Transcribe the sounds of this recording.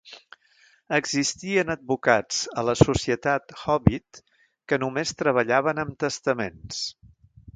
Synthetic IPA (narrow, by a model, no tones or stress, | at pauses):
əɡzist̪iənəd̪̚bukad͡zələsusiət̪at̪xɔβit̪ | kənumest̪ɾəβəʎaβ̞ənəmt̪əst̪əmens